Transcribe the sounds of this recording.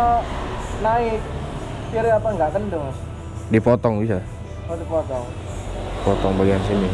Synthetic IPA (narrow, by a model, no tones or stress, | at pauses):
naɪk̚ | piɾeapaŋɡaʔk̪əndʊŋ | dipɔt̪ɔŋbis̬a | odipɔt̪ɔŋ | pɔt̪ɔŋbaɡiansini